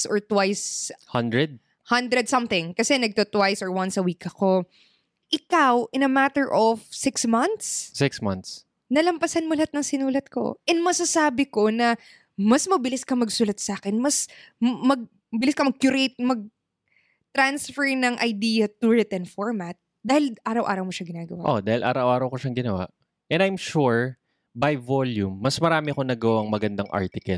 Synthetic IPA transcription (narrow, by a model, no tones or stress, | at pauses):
sʔɔ̰ɹt̪wajshɐnd̪ɹɛd̪̚ | hɐnd̪ɾɛd̪̚sɐmθɪ̃ŋkɐsɛnɐɡ̚t̪ot̪wajsɔɹwɐnsɐwiːkɐko̞ | ʔɪkawʔɪnɐmat̪ɛɹʔofsɪksmɐnt̪ssɪksmɐ̰̃nt̪s | nɐlɐmpɐsɐnmʊlɐt̪̚nɐŋsɪnuːlɐt̪̚ko̞̰ʔɛnmɐsɐsaːbɪko̞nɐ | mɐsmɐbɪlɪskɐmɐɡsʊlɐt̪̚saːkɛnmɐsmɐɡ̚ | mɐbɪlɪskɐmɐɡ̚kjʊɾejt̪̚mɐɡ̚ | t̪ɾansfɛɹnɐŋʔɐ̰jd̪iːjɐt̪ʊɹɛt̪ɛnfoɹmat̪̚ | d̪aːhɪlʔaːɾɐwʔa̰ːɾɐwmoʃɐɡɪnaːɡɐwaʔod̪aːhɪlʔa̰ːɾɐwʔaːɾɐwkoʃaŋɡɪnɐwa̰ʔ | ʔɛnajmʃuɹ | bɐjvoljumːɐsmɐɾaːmɪɐkonɐɡɐwaɐŋmɐɡɐnd̪aŋʔa̰ɹt̪ɪkɐl